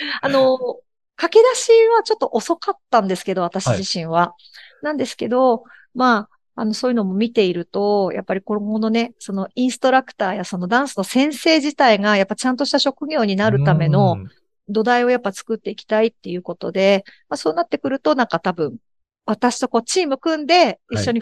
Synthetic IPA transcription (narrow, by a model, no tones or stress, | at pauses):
ano̞ | kake̞d̪aɕiβat͡ɕo̞t̪ːo̞ʔoso̞kat̪ːãnd̪e̞sɨ̥ke̞d̪o̞β̞at̪aɕiʑiɕĩɰ̃βa | nãnd̪e̞sɨ̥ke̞d̪o̞ | maː | no̞so̞ːjɯ̟no̞mo̞mʲit̪e̞iɾɯ̟t̪o̞ja̰pːaɾʲiko̞ono̞ne̞so̞no̞ĩɰ̃sɨ̥t̪o̞ɾakɯ̟̥t̪aːjaso̞no̞d̪ãɰ̃sɨno̞sẽ̞ɰ̃se̞ːʑit̪aiŋajapːat͡ɕãnt̪̬o̞ɕit̪aɕo̞kɯ̟ɡʲo̞ːɲ̟inaɾɯ̟t̪ame̞no̞ | d̪o̞d̪aio̞japːat͡sɨ̥kɯ̟t̪ːe̞ikʲi̥t̪ait̪ːe̞jɯ̟ːko̞t̪o̞d̪e̞maso̞ːnat̪ːe̞kɯ̟ɾɯ̟t̪o̞nãŋkat̪abɯ̟̃ɴ̃ | βat̪aɕi̥t̪o̞ko̞ːt͡ɕiːmɯkɯ̟̃nd̪e̞iɕɕːo̞ɲ̟i